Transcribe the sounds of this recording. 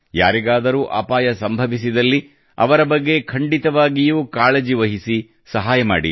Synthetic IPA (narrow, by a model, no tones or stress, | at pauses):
ja̰ːɾiɡaːd̪ɐɾuːʔa̰ːpaːjɐsɐmbʱɐʋisid̪ɐlːi | ɐ̰ʋɐɾɐbɐɡːe̞kʰɐɳɖit̪ɐʋaːɡijuːkaːɭed͡ʒiʋɐɦisi | sɐɦaːjɐma̰ːɽḭ